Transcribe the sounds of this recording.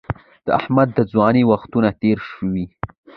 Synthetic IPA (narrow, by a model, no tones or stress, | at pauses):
d̪̥əahmad̪ːəd͡zwɑnewaxt̪unat̪eɾʃəwi